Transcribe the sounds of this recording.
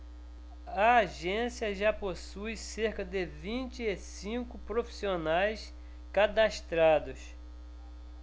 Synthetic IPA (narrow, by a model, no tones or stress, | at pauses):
ɐːʒẽsiɐʒaposujseɾkɐd̪ɪvĩt͡ʃɪesĩkʊpɾofi̥sionajs | kad̪aʃt̪ɾad̪ʊs